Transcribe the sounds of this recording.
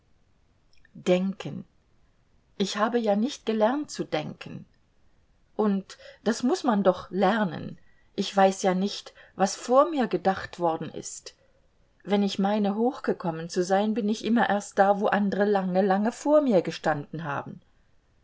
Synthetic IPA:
d̥ɛŋkʰən | ʔɪçhaːbəjaːnɪçt̚ɡ̥əlɛʁntt͡sudɛŋkʰən̩ | ʔʊntd̥asmʊsmandɔχlɛʁnə̰n | ʔɪçv̥aɪsjaːnɪçtvasfoːɐmiːɐɡədaχtv̥ɔɐdn̩ʔɪ̰st | vɛnɪçmaɪnəɦoːxɡ̥əkʰɔmənt͡suzaɪnbɪnɪçʔɪmɐʔeːɐst̚d̥aːvoːʔandəʁəlaŋəlaŋəfoːɐmiːɐɡəʃtandn̩ɦa̰ːbm̩

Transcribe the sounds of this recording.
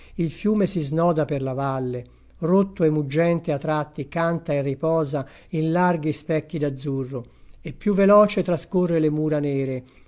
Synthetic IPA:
ilfjuːmesiznɔːd̪aperlavalːe | rot̪ːoemːud͡ʒːɛnt̪eat̪ːɾat̪ːikant̪aerːipɔːza | inlarɡispɛkːid̪ad̪zːurːoepːjuvːelɔːt͡ʃet̪ɾaskorːelemuːɾanɛːɾe

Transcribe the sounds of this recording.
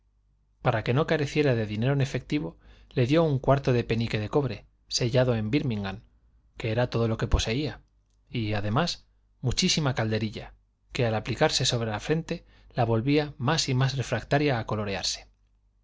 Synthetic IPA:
paɾake̞no̞kaɾe̞θje̞ɾaðe̞ðine̞ɾone̞fe̞k̚t̪iβo̞le̞ðjo̞uŋkwaɾt̪o̞ðe̞pe̞nike̞ðe̞ko̞βɾe̞ | se̞ʝaðo̞e̞mbiɾmiŋɡaŋ | ke̞e̞ɾat̪o̞ð̞o̞lo̞ke̞po̞se̞ia | iaðe̞mas | mut͡ʃisimakald̪e̞ɾiʎa | ke̞alaplikaɾse̞so̞β̞ɾe̞lafɾe̞nt̪e̞ | laβo̞lβiamasimasre̞fɾakt̪aɾjaːko̞lo̞ɾe̞a̰ɾse̥

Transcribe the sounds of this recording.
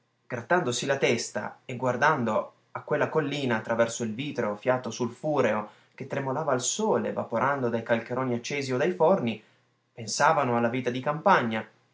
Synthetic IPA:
ɡ̥ɾat̪ːand̪osilat̪ɛst̪a̰eɡward̪and̪o | akːwelːakolːiːnaːt̪ːɾavɛrsoilviːt̪ɾeofjaːt̪osulfuːɾeo | ket̪ːɾemolaːvaːlsoːlevapoɾʔand̪od̪ajkalkeɾoːniat͡ʃːɛːziod̪ajforni | pensaːvanoalːaviːt̪ad̪ikampaɲːa

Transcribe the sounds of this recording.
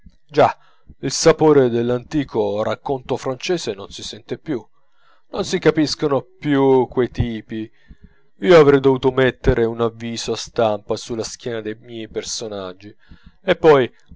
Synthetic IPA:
d͡ʒa | ilsapoːɾed̪elːant̪iːkʰorakːont̪ofɾant͡ʃɛːsenonsisɛnt̪epju | nonsikapiskonopjukwejt̪iːpi | iːoavɾɛjd̪ovuːt̪omet̪ːeɾʔeunavːiːzoast̪ampasulːask̟jɛːnad̪ejmjɛjpersonad͡ʒːiepːɔj

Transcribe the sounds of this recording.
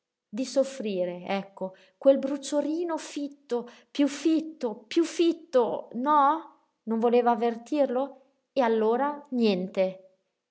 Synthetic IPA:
d̪isofːɾiːɾeɛkːo | kwelbɾut͡ʃːoɾiːnofit̪ːo | pjufːit̪ːopjufːit̪ːonɔ | noɱvoleːvaːvːert̪irlo | ealːoːɾanjɛnt̪e

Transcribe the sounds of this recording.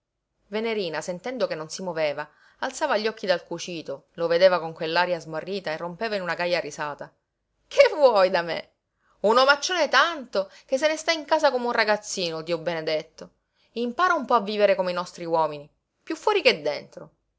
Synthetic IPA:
veneɾiːnasent̪ɛnd̪okenːonsimoveːvaː | lt̪saːvaʎːɔkːid̪alkut͡ʃiːt̪oloved̪eːvakoŋkwelːaɾjazmorːiːt̪aerːompeːvainunaɡajːarisaːt̪a | kʰevwɔjd̪amḛ | unomat͡ʃːoːnet̪ant̪ok̟es̬ːenest̪aiŋkaːzakomeunraɡat̪sːiːnot̪iɔbened̪et̪ːo | impaːɾaumpɔavːiːveɾekomeinɔst̪ɾiwɔːmini | pjufːwɔːɾiked̪ːent̪ɾo

